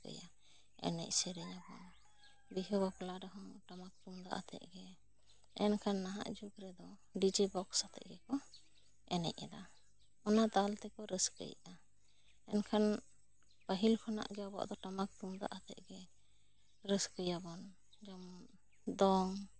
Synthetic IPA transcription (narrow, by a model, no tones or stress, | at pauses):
kə̰ja | ɛ̰nɛ̰c̚sɛɾɛjabɔn | biɦəbaplaɖɔɦɔʈamak̚t̪umd̪a̰ʔat̪ʰɛ̰ʔ̚ɡɛ | ɛnkʰanːaɦa̰ʔd͡ʒukɾɛd̪ɔ | ɖid͡ʒibɔksat̪ʰɛ̰ʔɡɛkɔ | ɛnɛ̰ʔɛda | ɔnad̪alt̪ɛkɔɾəskə̰jʔa | ɛnkʰan | paɦilkʰɔna̰ʔɡɛabɔ̰ʔd̪ɔʈamak̚t̪umd̪a̰ʔat̪ʰɛ̰ʔɡɛ | ɾəskəjabɔn | d͡ʒɔm | d̪ɔŋ